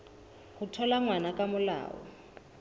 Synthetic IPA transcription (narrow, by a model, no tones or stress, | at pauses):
hutʰɔlaŋwanakʼamʊla̰ːwɔ̰